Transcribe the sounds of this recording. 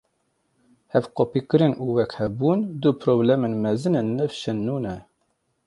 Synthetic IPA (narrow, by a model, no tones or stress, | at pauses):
hɛvqopikɨɾɨnʔuːwɛkhɛbuːnd̪upʰɾoːblɛmenmɛzɨnenːɨfʃɛnːuːnɛ